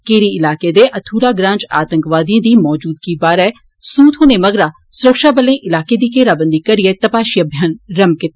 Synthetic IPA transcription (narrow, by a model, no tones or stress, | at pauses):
keːɾiɪlaːked̪eːʔɐt̪ʰuːɾaːɡɾãːɲt͡ʃa̰ːt̪ə̃ŋkʋaːd̪ijẽːd̪iːmɔːd͡ʒuːd̪kibaːɾɛ | suːt̪ɦoːneːmɐɡɾaː | sʊɾəkʃaːbəlẽːʔɪlaːked̪iːkeːɾaːbə̃nd̪iːkɐɾɪet̪əpaːʃijəbʱjaːnɾɐmkɪt̪ː